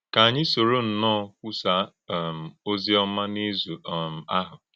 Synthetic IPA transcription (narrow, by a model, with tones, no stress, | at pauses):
ka˨a˨ɲɪ˦so˨ɾo˦n̩˨nɔː˦kʷu˦sa˦˨ | m̩˨o˦zi˦ɔ˦ma˦ne˦zu˨m̩˨a˦ɦʊ˨